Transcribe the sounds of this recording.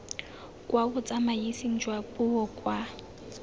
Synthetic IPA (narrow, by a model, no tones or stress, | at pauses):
kʼwabʊt͡sʼamajisiŋ̩d͡ʒwabʊɔkʼwa